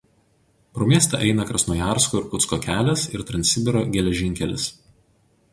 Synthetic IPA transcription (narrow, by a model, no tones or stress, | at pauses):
pɾoːmʲiɛst̪ʲɛ̰ʔɛɪnɐkɾɐsnuːjɑˑɾskoːɪɾkʊt̪skokʲæːlʲɛsɪɾt̪ɾɐnʲtsʲɪbʲɪɾoːɡʲɛlʲɛʒʲɪŋʲkʲɛlʲɪ̰s